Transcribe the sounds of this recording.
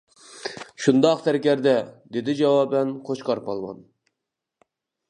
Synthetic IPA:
ʃund̪ɑqt̪ʰæɾkʲɛɾd̪ɛd̪ed̪ɪd͡ʒɑwɑːbɛnqʰot͡ʃqɑɾpɑlˠmɑ̰n

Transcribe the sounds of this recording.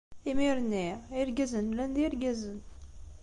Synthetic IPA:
imiɾnːiiɾɡæzənlænd̪iɾɡæzən

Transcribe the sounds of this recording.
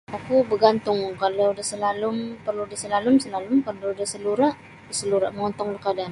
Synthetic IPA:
akubəɡant̪ʊŋkalaudahsəlalʊmpərludahsəlalʊmsəlalʊmpərluːdahsəluɾaʔ | disəluɾaʔməŋɔnt̪ɔŋlahkadan

